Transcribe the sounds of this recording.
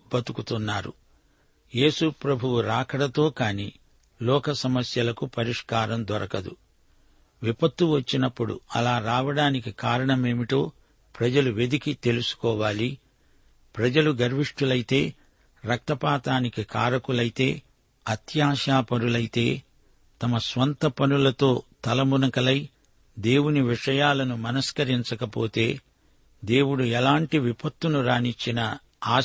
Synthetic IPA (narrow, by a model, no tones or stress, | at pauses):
bɐt̪ukut̪unːaːɾṵ | je̞ːsupɾɐbʱuwuɾaːkɐɽɐt̪o̞ːkaːniː | lɔːkɐsɐmɐsjɐlɐkupɐɾiʂkaːɾɐmd̪ɔɾɐkɐd̪ṵ | ʋipɐt̪ːuʋɐt͡ʃːinɐpːuɽṵɐ̰laːɾaːʋɐɽaːnikikaːɾɐɳɐme̞ːmiʈ̪o̞ː | pɾɐd͡ʒɐluʋed̪ikit̪e̞lusu̥kɔːʋaːli | pɾɐd͡ʒɐluɡɐɾʋiʂʈulɐjit̪e̞ː | ɾɐk̚t̪ɐpaːt̪aːnikikaːɾɐkulɐjit̪e̞ː | ɐt̪jaːʃaːpɐɾulɐjt̪e̞ː | t̪ɐmɐsʋɐnt̪ɐpɐnulɐt̪o̞ːt̪ɐlɐmunɐkɐlɐj | d̪e̞ːwuniʋiʂɐjaːlɐnumɐnɐskɐɾiɲt͡ʃɐkɐpoːt̪e̞̰ː | d̪e̞ːwuɽuɛlaːɳʈiʋipʰɐt̪wunuɾaːnit͡ʃːinɐ | aː